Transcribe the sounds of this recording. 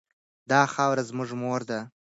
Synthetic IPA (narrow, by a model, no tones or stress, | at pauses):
d̪ɑxɑwɾazmʊʐmoɾd̪a